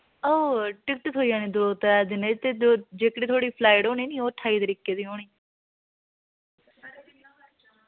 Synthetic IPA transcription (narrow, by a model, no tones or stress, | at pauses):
oːʈɪk̚ʈt̪ɦoːiːãːniːd̪ʊɾoːt̪ːɛd̪ɪneːt̪eːod͡ʒeːkɽiːt̪ʰoːɽiːpʰlaːɪʈoːñiːniːoːʈʰːaːiːt̪əɾiːkːeːd̪iːoːɳ̃iː